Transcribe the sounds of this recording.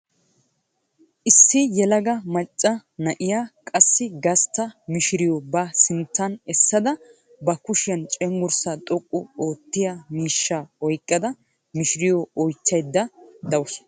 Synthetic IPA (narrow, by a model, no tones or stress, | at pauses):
ʔɪsːɪjɛlɐɡɐmɐt͡ʃʼːɐnɐʔɪjaːkʼɐsːɪɡɐst̪ːɐmɪʃɪɾɪjɔbɐsɪnt̪ːɐnɛsːɐd̪ɐ | bɐkʊʃɪjɐnt͡ʃʼɛŋɡʊɾsat̪ʼɔkʼːɔo̞ːt̪ːɪjamiːʃːaːɔjkʼːɐd̪ɐ | mɪʃɪɾɪjɔɔjt͡ʃːɐjd̪ːɐd̪ɐwɔs